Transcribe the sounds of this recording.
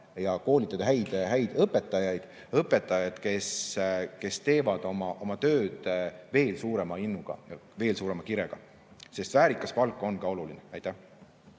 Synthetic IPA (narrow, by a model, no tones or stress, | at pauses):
jɑko̞ːlʲit̪ːˑɑd̪̥ɑɦæjd̪ɦæjd̪̥ɤpːe̞t̪ːˑɑjɑjd̪̥ | ɤpːˑe̞t̪ːˑɑjɑd̪̥ke̞ske̞st̪e̞ːvɑd̪̥o̞mɑʔo̞mɑt̪ø̞ːd̪̥ve̞ːlsuːɾe̞mɑinːuɡ̥ɑ̰jɑve̞ːlsuːɾemɑkiɾeɡ̥ɑ | se̞st̪væːɾikˑːɑspɑlkːˑo̞nkɑo̞lulineæjt̪ːæh